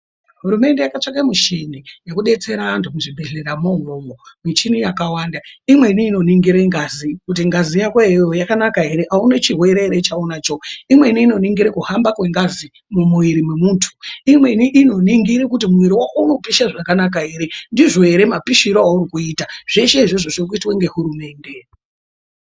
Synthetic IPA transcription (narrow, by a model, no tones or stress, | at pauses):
ɦuɾume̞ndejakat͡ʂakamuʃenijekuɗe̞t͡se̞ɾantumuʐibʱeɮeramoŋomɡomwit͡ʃinijakawaːndaimwe̞niːno̞niŋɡiɾeŋɡazikut̬iŋɡazijakwaejojakanakaeɾeʔaunet͡ʃirɦwe̞ɾeɾet͡ʃaonat͡ʃoimwe̞iniːno̞niŋɡiɾekuhambakwe̞ŋɡazi | mumuiɾimwemuːntʰu̥imwe̞niʔːno̞niŋɡiɾekutimuwiɾiwakouno̞piʃaʐakanak̬aeɾendiʐo̞e̞ɾe̞mapiʃiɾoauɾikuiːtaʐ̥e̞ʃe̞iʐoʐoʐirkuitwaŋɡe̞ɦuɾume̞ːnde̞